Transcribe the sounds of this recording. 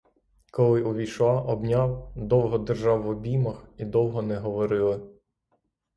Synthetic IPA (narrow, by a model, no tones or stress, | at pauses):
kɔlˠɪʔʊʋʲijʃɑʔɔbnʲɑwd̪ɔwɦɔd̪erʒɑwːɔbʲimɐxid̪ɔwɦɔnɛɦɔʋɔɾɪlˠɪ